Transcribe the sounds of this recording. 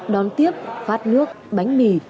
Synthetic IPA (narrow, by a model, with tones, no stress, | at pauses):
ɗɔ˨˩nt̪i˦˥əp̚faː˦˥t̚nɨ˦˥ək̚ɓa˨˦jŋ̟mi˧˩